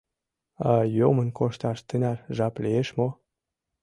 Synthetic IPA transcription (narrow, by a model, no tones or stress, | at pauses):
ɑjomənkoʃt̪ɑʃt̪ənɑrʒɑpleeʃmo